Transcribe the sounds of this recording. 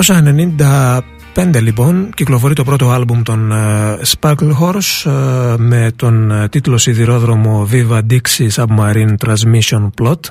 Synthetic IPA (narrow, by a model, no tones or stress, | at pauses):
kosɐene̞nind̪ɐ | pe̞nd̪e̞lipo̞nciklo̞fo̞ɾit̪o̞pɾo̞t̪o̞ɐlbumt̪o̞nspɐklxo̞ɾs | me̞t̪o̞nt̪it̪lo̞siðiɾo̞ðɾo̞mo̞vivɐd̪iksisɐpmɐɾint̪ɾɐnzmisio̞nplo̞t̪